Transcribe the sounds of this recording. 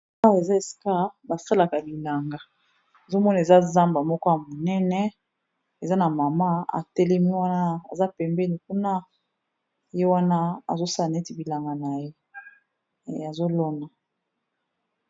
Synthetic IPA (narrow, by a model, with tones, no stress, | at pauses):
a˦˨e˨za˦e˨si̥˨ka˦ba˨sa˦la˨ka˨li˨la˨ŋɡa˨ | e˨zo˦mɔ˦na˨e˨za˦za˦mba˨mɔ˦kɔ˦ja˨mo˨nɛ˦nɛ˦ | e˨za˦na˨ma˨ma˦a̰˨tɛ˦lɛ˦mi˦wa˦na˦a̰˨za˦pɛ˨mbɛ˦ni˨ku˦na˦ | je˦wa˦na˦a̰˨zo˦sa˦la˨na˨e˦ti˨bi˨la˨ŋɡa˨na˨je˦˨ | a˨zo˦lo˦na˨